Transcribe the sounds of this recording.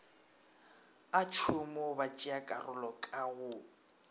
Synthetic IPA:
at͡ʃʰʊmɔbat͡ʃʼiakʼa̰rʊlɔkʼaɣʊ

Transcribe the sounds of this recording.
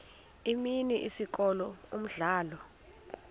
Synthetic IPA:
iminiʔḭsik̬ʼɔlɔum̩ɮaːlɔ

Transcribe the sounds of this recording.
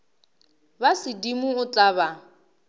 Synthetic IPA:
basɪdimʊʊt͡ɬʼaβa

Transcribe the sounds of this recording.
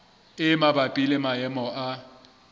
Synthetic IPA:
ɪmabapʼilɛmajɛmɔʔa

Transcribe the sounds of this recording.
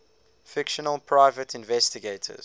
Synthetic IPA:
fɪkʃənəlˠpʰɹ̥aɪvətʰɪ̃nvɛstɪɡeɪtʰə̰z̥

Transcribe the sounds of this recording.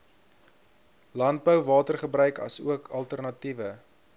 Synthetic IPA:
lɐnt̚bəwvɑːtərχəbrœɥkɐ̰suəkʰɐlˠtərnɐtivə

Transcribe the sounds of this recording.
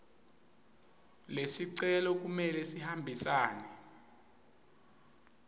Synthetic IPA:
lesiǀɛlɔk̬umɛlɛsihambʱisaːnɛ

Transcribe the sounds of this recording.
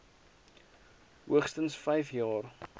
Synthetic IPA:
ɦuəχstənsfɛjfjɑːr

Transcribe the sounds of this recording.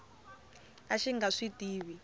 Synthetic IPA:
aʃiŋɡaʂitiːβi

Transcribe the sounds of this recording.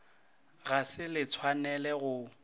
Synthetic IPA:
ɣasɪlɪt͡sʰwanɛlɛɣʊ

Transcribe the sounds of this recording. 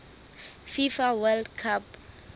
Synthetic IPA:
fifawɛldkʰap

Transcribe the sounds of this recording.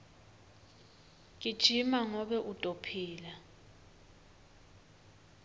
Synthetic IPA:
k̬ʼid̥ʒ̥ʱimaŋɔɓɛʔud̥ʼʱopʰiːla

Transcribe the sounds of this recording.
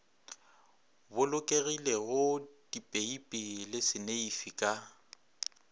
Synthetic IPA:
bʊlʊkʼeɣileɣʊd̥ipʼeipʼɪlɪsɪneifikʼa

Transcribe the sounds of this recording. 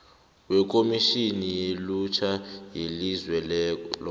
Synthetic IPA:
wɛk̬ʼomiʃinilut͡ʃʰajilizwɛl

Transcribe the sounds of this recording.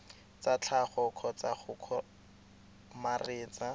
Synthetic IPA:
t͡sat͡ɬʰaχɔkʰɔt͡saχʊkʰɔ | mareːt͡sa

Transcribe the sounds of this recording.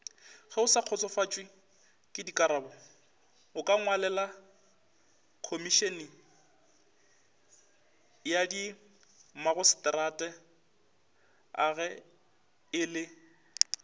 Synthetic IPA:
χɛʊsaq͡χʰɔt͡sʼɔfat͡ʃʼwɪ | kʼɪdikʼaɾabɔ | ʊkʼaŋwalɛla | kʰomiʃenɪ | jadi | maɣʊsɪ̥tʼɾatʼɛ | a̰ɣɛ | ɪlɪ

